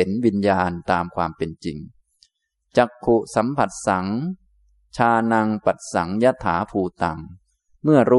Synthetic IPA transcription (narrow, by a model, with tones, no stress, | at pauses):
e˩˦nwi˧njaː˧nt̪aː˧mkʰwaː˧mpe˧nt͡ɕḭ˨˧ŋ | t͡ɕa˨˩kʰːu˨˩sa˩˦mpʰa˨˩t̪̚sa˩˦ŋ | t͡ɕʰaː˧na˧ŋpa˨˩t̪̚sa̰˩˦ŋja˦˥t̪ʰːaː˩˦pʰuː˧t̪a˨˩ŋ | mɯ˥˩ɐɾuː˦˥